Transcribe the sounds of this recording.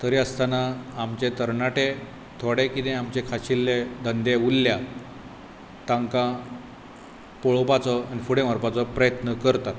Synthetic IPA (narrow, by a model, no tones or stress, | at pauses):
t̪əɾiəst̪anaːmt͡ɕet̪əɾɳaʈe | t̪ʰoɽekit̪ẽamt͡ɕekʰaɕilːed̪ənd̪eulːja | t̪ãŋkã | poɭopat͡sɔanifuɽẽmaɾpat͡sɔpɾəjət̪nəkəɾt̪at̪